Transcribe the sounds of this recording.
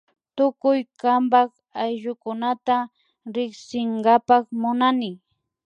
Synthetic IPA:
t̪ʊkʊjkambak | ajʒʊkʊnat̪a | ɾɪksɪŋɡapakmʊnanɪ

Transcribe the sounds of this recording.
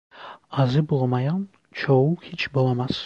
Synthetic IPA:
ɑzɯbolˠmɑjɑn | t͡ʃʰowuhit͡ʃbolˠɑmɑs

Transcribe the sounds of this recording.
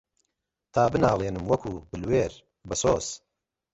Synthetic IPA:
t̪ʰaːbɨnaːlˠeːnɨmwɐkʰuːbɨlweːɾ | bɐsoːs

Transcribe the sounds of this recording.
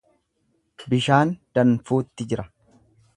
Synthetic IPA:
bɪʃaːnd̪̥ɐnfuːt̪ːɪd͡ʒɪɾɐ

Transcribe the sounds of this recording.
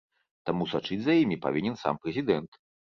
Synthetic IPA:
t̪amusat͡ʂɨd͡zʲzɐjimʲipa̰vʲinʲɛnsa̰mpɾɛzʲid̪ɛnt̪

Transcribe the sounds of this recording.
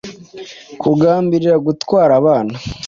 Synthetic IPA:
kʰuɡaːmbiɾiɾaɡutwaːɾaβaːna

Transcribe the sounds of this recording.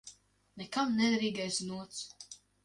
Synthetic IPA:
nɛkamnʲɛɾiːɡɛjsʲnuɔt̪s

